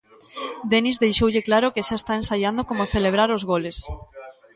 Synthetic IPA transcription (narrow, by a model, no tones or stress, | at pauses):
d̪enizðejʃowʎɪklaɾokeʃaest̪aensaʎand̪okomoθeleβɾaɾozɣoles